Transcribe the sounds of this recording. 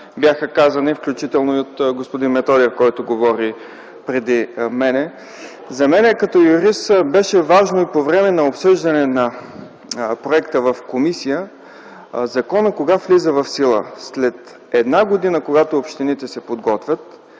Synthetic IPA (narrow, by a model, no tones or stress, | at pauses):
bjaxəkazɐnifklʲut͡ʃit̪ɛlˠnoiot̪ɡospod̪inmɛt̪ɔd̪iəkɔjt̪oɡovɔɾi | pɾɛd̪imɛnɛ | zɐmɛnɛkɐt̪ɔjuɾisbɛʃɛvaʒnoipovɾɛmɛnɐopsɤʒd̪ɐnɛnɐ | pɾoɛkt̪əvɐfkomisijə | zɐkɔnəkoɡaflizəvɐfsilˠə̰slɛt̪ | ɛd̪naɡod̪inəkoɡat̪oːpʃt̪init̪ɛsɛpod̪ɡɔt̪vʲət̪